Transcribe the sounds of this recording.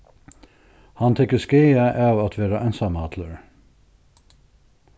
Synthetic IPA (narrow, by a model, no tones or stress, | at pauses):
hɑnt̪ʰɛkəskeɪəʔɑːʋɑt̪ʰʋeːɾɑʔæɪnsɑmɑːt̪ʰləɹ